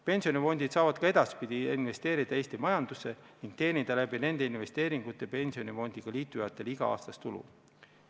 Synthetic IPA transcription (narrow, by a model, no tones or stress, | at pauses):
pe̞nsio̞nʲifo̞nʲd̪̥id̪̥sɑːvɑd̪̥kɑe̞d̪̥ɑspid̪̥iinve̞st̪e̞ːɾid̪̥ɑe̞ːst̪imɑjɑnd̪use̞niŋɡ̥̚t̪e̞ːnʲid̪̥ɑlæbine̞nd̪e̞inve̞st̪e̞ːɾiŋɡ̥ut̪ːˑepe̞nʲsio̞nifo̞nʲd̪̥iɡ̥ɑliːt̪ːˑujɑt̪ːˑe̞liɡ̥ɑ̰ɑ̰ːst̪ɑst̪ulṵ